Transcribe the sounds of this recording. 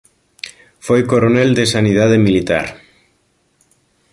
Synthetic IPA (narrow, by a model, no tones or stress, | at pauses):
fojkoɾoneld̪esanið̞að̞emilit̪a̰ɾ